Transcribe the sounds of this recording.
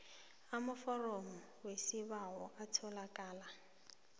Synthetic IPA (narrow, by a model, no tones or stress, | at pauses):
amʊfɔrɔmɔwesɪβaɦɔʔatʰɔlakʼaːla